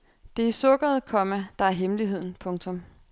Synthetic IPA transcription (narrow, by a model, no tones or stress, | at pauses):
d̥e̝isɔ̽ɡ̥ɐð̞ˠkʰɒ̽mæd̥ɑ̈æɐɦemliɦe̝ð̞̰ˠn̩pʰɔ̽ŋt͡sʰɔ̽m